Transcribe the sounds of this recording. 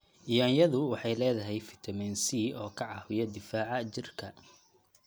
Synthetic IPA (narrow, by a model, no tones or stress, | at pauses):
ɪjaːnjɐðʊwɑħɑjlɛːðɐɦɛjfɪ̥t̪ʰɐmɛnsiːʔɔːkʰɐʕɑhwɪjɐd̪ɪfaːʕɑt͡ʃɪrkʰɐ